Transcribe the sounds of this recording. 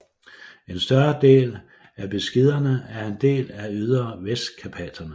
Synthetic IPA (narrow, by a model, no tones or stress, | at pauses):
e̝nsd̥ɶɐd̥e̝̰ːl | æb̥e̝sɡ̥e̝ð̞̰ˠɐnəæɐe̝nd̥e̝̰ːlæyð̞ˠɐʋesd̥kʰæpʰæd̥ʰɐnə